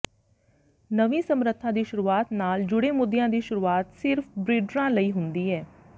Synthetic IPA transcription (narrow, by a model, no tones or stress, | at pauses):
nəʋĩːsəmɾət̪ʰːãːd̪iːʃʊɾuːaːt̪naːld͡ʒʊɽeːmʊd̪jãːd̪iːʃʊɾuːaːt̪sɪɾpʰbɾiːɖɾãːləiːɦʊnd̪iːɦɛː